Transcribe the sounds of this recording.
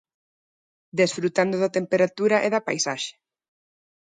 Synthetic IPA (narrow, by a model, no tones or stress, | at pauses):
d̪esfɾut̪and̪oðat̪empeɾat̪uɾaʔeðapajsaʃe̥